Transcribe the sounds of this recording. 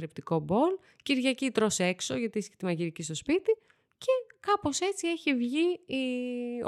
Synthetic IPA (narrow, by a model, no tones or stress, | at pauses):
ɾept̪iko̞bo̞l | ciɾʝɐcit̪ɾo̞se̞kso̞ʝɐt̪iisçi̥t̪imɐʝiɾicist̪o̞spit̪i | ce̞kɐpo̞se̞t͡sie̞çivʝi